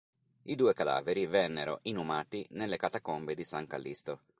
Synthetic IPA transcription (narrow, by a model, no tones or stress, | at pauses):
id̪uːekad̪a̰ːveɾivɛnːeɾo̰ʔinumaːt̪inelːekat̪akombed̪isaŋkalːist̪o